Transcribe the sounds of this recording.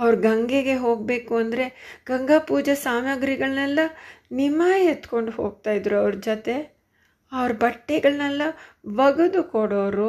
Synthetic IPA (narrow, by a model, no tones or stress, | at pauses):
ɐʋɾuɡɐŋɡeɡe̞ɦo̞ːɡ̚be̞ːkuɐnd̪ɐɾe̞ɡ̥ɐŋɡaːpuːd͡ʒɐsaːmɐɡɾiɡɐɭnɛlːɐnimaːet̪ko̞ɳɖuɦoːɡ̚t̪aːjid̪ɾuɐʋɾd͡ʒot̪e̞ | ɐʋɐɾɐbɐʈːeɡɐɭnɛlːɐʋɐɡud̪ukoɽoʋɾu